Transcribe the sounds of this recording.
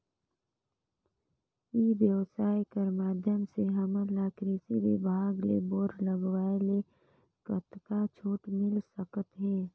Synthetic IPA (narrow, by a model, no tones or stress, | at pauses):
ibjəʋsaːjkəɾmaːd̪ʱjəmseɦəməlaːkɾeːsibɪ̰bʱaːɡlḛboːɾləɡʋaːele | kət̪kat͡ʃʰoːʈmɪlsəkət̪ɦɛː